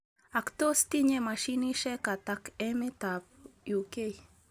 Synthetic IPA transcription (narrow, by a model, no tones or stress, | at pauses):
akt̪ost̪iɲemaʃiniʃekat̪akemet̪apjukej